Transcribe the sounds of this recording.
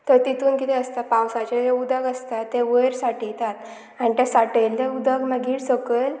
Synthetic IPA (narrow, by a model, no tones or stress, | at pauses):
t̪əɾt̪it̪ʰuːnkit̪ɛəst̪apawsat͡ɕad͡ʑeud̪əɡəst̪aːeʋəjɾsaʈit̪at̪ | añit̪esaʈəlt̪eud̪ʱəɡməɡiːɽsəkəl